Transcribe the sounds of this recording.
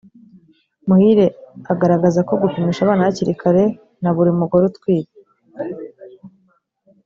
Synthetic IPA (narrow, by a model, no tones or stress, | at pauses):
muhiɾe̞aɡaɾaɡazako̞ɡukimiʃaβaːnaβaciɾikʰaɾe̞ | naβuɾimuɡoɾutkwiːɾe